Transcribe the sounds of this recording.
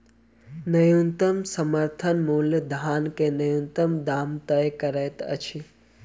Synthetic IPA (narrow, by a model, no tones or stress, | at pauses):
nəjunt̪əmsəməɾt̪ʰənmuːljəd̪ʱaːnkenəjunt̪əmd̪aːmt̪əjkəɾɛːt̪ə̰t͡ʃʰi